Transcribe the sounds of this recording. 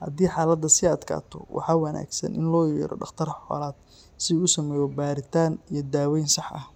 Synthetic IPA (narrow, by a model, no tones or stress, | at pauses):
hɐ̰d̪iːħɑːlɐd̪ɐsɪɐd̪kʰa̰ːt̪ʰɔ̰wʔɑ̰ħɑːwɑna̰ːɡsɐ̰nʔɪ̰nlɔːjɛ̰ːɾɔ̰ɖɑχt̪ʰɐrħɔ̰ːlaːd̪̚ | sɪʊsɐmɛːjɔbaːɾɪt̪ʰaːnijɞd̪aːwɛjnsɑħʔɐ̰h